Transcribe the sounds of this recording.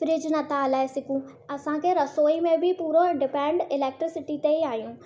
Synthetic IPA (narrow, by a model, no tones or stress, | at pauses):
fɾɪd͡ʑnɐt̪aːlaːesɪkũ | ɐsãkʰeɾɐsoːimẽbʱɪpuːɾoɖɪpɛ̃ːɳɖɪleːk̚ʈɾɪsɪʈit̪eiaːɦjũː